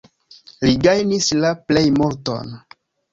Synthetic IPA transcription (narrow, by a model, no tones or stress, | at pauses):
liɡajnislaple̞jmoɾto̰n